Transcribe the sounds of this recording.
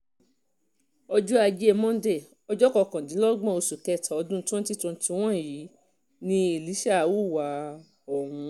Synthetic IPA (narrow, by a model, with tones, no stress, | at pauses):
ɔ˧d͡ʒɔ˦a˧d͡ʒe˦e˦˧mɔ̃˦dɛ˦˨ | ɔ˧d͡ʒɔ˦kɔ˧˨kã˨dĩ˨˦lɔ˦ɡ͡bɔ̃˦˨o˧su˨kɛ˦˨tʰa˨ɔ˧dũ˦tũ˦ti˦tũ˧˦ti˧w̃ɔ̃˦˨ji˨˦ | nĩ˧i˨li˨˦ʃa˦˨wu˦˨wa˨˦ | ɔ˨hũ˨˧˦